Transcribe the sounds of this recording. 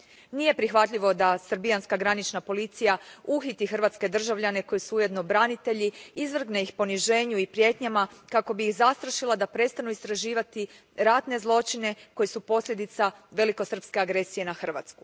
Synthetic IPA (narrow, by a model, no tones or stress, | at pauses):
nije̞pɾixʋat̪ʎʲiʋo̞d̪asr̩bianskaɡɾanit͡ʃnapo̞lit̪sijauxit̪ixr̩ʋat̪ske̞d̪r̩ʒaʋʎane̞ko̞jesuuje̞d̪no̞bɾanit̪e̞ʎiizʋr̩ɡneixpo̞niʒe̞ːɲuipɾje̞t̪ɲamakako̞biixzast̪ɾaʃilˠad̪apɾe̞tst̪anuist̪ɾaʒiːʋat̪i | ɾat̪ne̞zlˠo̞t͡ʃine̞ko̞jesupo̞sʎʲe̞d̪it̪saʋe̞liko̞sr̩pske̞aɡɾe̞sije̞naxr̩ʋa̰t̪sku̥